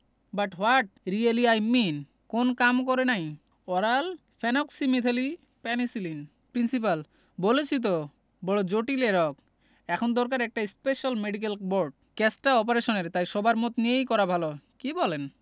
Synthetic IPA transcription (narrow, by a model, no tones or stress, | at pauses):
baʈwaʈ̚ɾialiajmin | konkamkɔɾenaj | ɔɾal | fʰɛnɔksimit̪ʰali | pɛnisilin | pɾinsip̬al | bolet͡ɕʰit̪̬o | bɔɭod͡ʑoʈileɾɔk | ɛkʰond̪ɔɾkaɾɛk̚ʈaispeʃalmeɖik̬elboɾɖ̚ | kɛsʈaɔp̬aɾeʃoneɾt̪ajʃɔbaɾmot̪nijejkɔɾabʱalokibɔlen